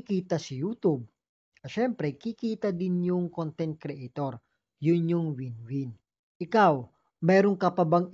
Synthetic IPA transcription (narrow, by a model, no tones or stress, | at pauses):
kiːt̪ɐsɐjut̪ub̚ | ɐʃɛmpɾɛkikiːt̪ɐd̪ɪnjʊŋkont̪ɛnt̪̚kɾɛʔt̪oɾ | jʊnjʊŋwinwɪn | ʔɪkaw | mɛːɾoŋkɐpɐbɐŋ